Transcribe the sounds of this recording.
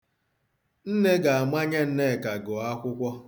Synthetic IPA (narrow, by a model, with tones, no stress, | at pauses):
n̩˦ne˦ɡa˨a˨ma˦ɲe˦n̩˦ne˦˨ka˨ɡʊ˨a˦kʷʊ˦kʷɔ˦